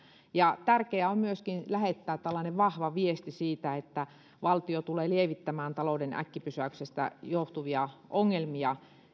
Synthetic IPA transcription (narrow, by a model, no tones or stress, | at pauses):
jɑt̪ærkeæommyøskinlæhet̪ːæːt̪t̪ælːɑːˑneʋʋɑhʋɑʋiest̪isiːt̪æet̪ːæ | ʋɑlt̪iot̪uleːlieʋit̪ːæmæːnt̪ɑloudenæ̰kːipysæyksest̪æ̰joht̪uʋiɑʔoŋːelmiɑ